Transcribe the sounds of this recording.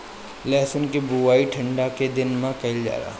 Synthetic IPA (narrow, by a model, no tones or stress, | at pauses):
lɛːsənkebuʋaːiʈʰɐ̃ɳɖaked̪ɪnmãkɐɪld͡ʒa̰ːɾa̰ː